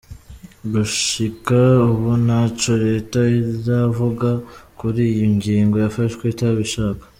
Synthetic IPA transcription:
ɡuʃikauβunat͡ʃo̞ɾe̞ːtaizavuɡakuɾiːjiŋɡiːŋɡo̞jafaʃkweitaβiʃaːkḁ

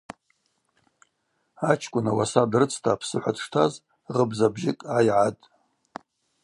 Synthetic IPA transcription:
at͡ʃʰkʷʼʊnawasadrɨt͡sʰtʰaːpʰsɨħʷadʰʂtʰaz | ʁəbzabʒɪkʼajʕatʼ

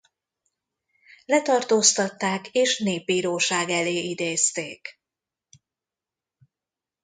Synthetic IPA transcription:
lɛt̪ɒrt̪oːst̪ɒt̪ːaːkeːʃneːb̚biːɾoːʃaːɡɛleːid̪eːst̪eːk

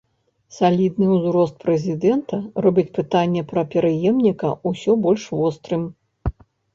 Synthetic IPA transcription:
salʲid̪nɨwzɾɔst̪̚pɾɛzʲid̪ɛnt̪ɐrɔbʲit͡sʲpɨt̪anʲːɛpɾɐpʲɛɾɨjɛmnʲikɐ̰usʲɔbɔlʲʂvɔst̪ɾɨm

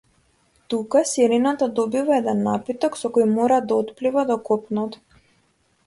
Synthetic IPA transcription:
t̪ukasiɾinat̪ad̪ɔbivaɛd̪ɛnːapit̪ɔksɔkojmɔɾad̪aɔt̪plivad̪ɔkɔpnɔt̪

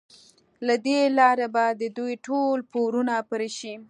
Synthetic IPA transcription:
lad̪elɑɾabad̪əd̪ujʈolpoɾunapəɾeʃi

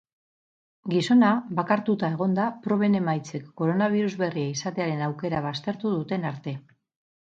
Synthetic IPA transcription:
ɡiso̞naβakaɾt̪ut̪ae̞ɣ̞o̞nd̪apɾo̞β̞e̞ne̞majt͡se̞kːo̞ɾo̞naβ̞iɾuzβe̞riaisat̪e̞aɾe̞nawke̞ɾaβast̪e̞ɾt̪uðut̪e̞naɾt̪e̞

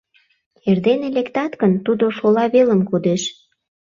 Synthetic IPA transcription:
erd̪enelekt̪ɑt̪ɡənt̪ud̪oʃolɑβeləmkud̪eʃ

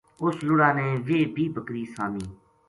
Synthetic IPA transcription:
ʊslʊɽaːneːʋeːbʱiːbəkɾiːsaːmiː

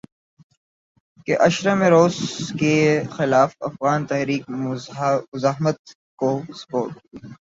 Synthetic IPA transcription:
keʔɐʃɾəmeɾoːzkexɪlaːfɐ̰fɣaːnt̪ɛɦɾiːk̚ | mʊzaːɦmət̪̚ | kospoːt̪

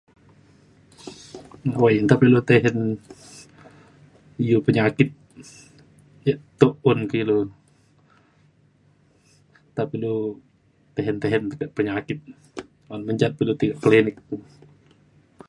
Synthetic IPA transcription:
wajnt̪apilut̪eɦɛn | ijupəɲakɪt̪̚ | jəʔt̪oʔʊnkilu | t̪apilu | t̪eɦɛnt̪eɦɛnt̪əkəʔpəɲakɪt̪̚ | anməɲt͡ʃat̪̚pilut̪iɡaʔkəlinɪk̚

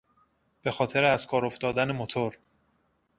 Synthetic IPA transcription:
b̥e̞xɒːt̪ʰe̞ɾeæzkʰɒːɾo̞ft̪ɒːd̪ænemot̪ʰoɾ

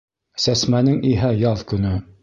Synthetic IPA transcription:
sæsmænɘŋiɦæjɑðˠkɵ̆nɘ

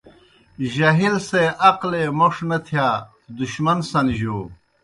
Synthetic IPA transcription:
ʑɐɦilseʔɐqlemoʂnɐt̪ʰjaː | d̪uɕmɐnsɐnʑoː

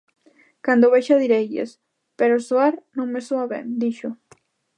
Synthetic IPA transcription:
kand̪oβeʃaðiɾejʎḛs | peɾosoaɾnõŋmesuaβḛnd̪iʃʊ

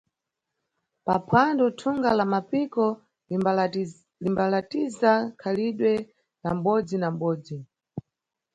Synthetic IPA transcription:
papʰandɔtʰuŋɡalamapikɔ | limbalatizakʰaliɗwɛ | nam̩ɓɔd͡zinam̩ɓɔːd͡zi

